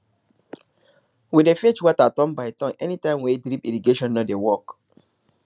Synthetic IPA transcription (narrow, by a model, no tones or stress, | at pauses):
widefet͡ʃwatatɔ̃nbaɪtɔ̃nɛnitãɪ̃mwedɾipiɾiɡeʃɔ̃nːodewɔk